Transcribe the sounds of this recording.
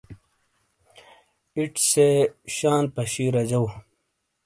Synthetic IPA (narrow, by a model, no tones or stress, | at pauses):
iʈseɕaːnpɐɕiːɾɐd͡ʑɐw